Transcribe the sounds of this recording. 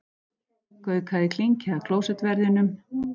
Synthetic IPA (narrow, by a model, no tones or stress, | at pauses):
kœːɥkʰaðɪkʰliɲcɪakʰloːwsɛt̪vɛɾðɪnʏm